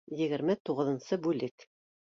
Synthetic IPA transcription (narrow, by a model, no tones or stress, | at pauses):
jɘ̆ɡɘ̆ɾmɘt̪uʁɤ̆ðɤ̆nsɤbʉlɘk